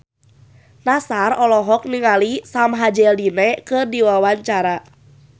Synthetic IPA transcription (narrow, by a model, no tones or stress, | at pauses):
nasarɔlɔɦɔk̚niŋalisamɦad͡ʒɛldinɛkɨrdiwawaɲt͡ʃaɾa